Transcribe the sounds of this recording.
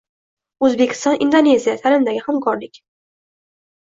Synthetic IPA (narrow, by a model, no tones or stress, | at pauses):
ɵzbekʲʰɪ̥st̪ɒnʔɪnd̪one̞zijat̪ʰalɪmd̪aɡʲɪhamkʰɒɾlɪkʲ